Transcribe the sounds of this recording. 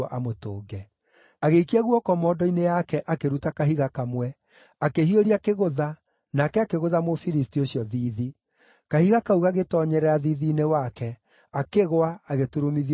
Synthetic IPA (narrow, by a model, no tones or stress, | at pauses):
ʔamotoːɡɛ | aɣeikiɛɣuɔkɔmɔdɔinejakɛʔakeɾutakaɦiɣakamwɛ | akeɦioɾiakeɣoða | naːkɛakeɣoðamofiɾistioɕijɔðiːði | kahiɣakauɣaɣetɔɲɛɾɛaðiðiːnewakɛ | akeɣoaːɣetuɾomiði